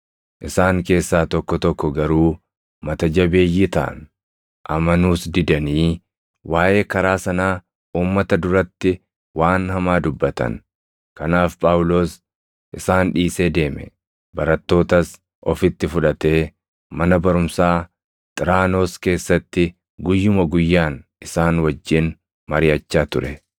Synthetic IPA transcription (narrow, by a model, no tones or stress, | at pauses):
ʔɪsaːŋke̞ːsːaːt̪ɔkːɔt̪ɔkːɔɡɐɾuː | mɐt̪ɐd͡ʒɐbe̞ːjːɪt̪ɐ̰ʔɐ̰n | ʔɐmɐnuːsd̪ɪd̪ɐniː | waːʔe̞ːkɐɾaːsɐnaː | uːmːɐt̪ɐd̪ʊɾɐt̪ːɪ | waːnhɐmaːd̪ʊbːɐt̪ɐ̰n | kɐnaːfpʼaːʊlo̞ːs | ʔɪsaːnᶑiːse̞ːd̪e̞ːmɛ̰ | bɐɾɐt̪ːo̞ːt̪ɐs | ʔɔfɪt̪ːɪfʊᶑɐt̪e̞ː | mɐnɐbɐɾʊmsaː | t̪ʼɪɾaːno̞ːske̞ːsːɐt̪ːɪ | ɡʊjːʊmɐɡʊjːaːnʔɪsaːnwɐd͡ʒːɪn | mɐɾɪjɐt͡ʃːaːt̪ʊɾɛ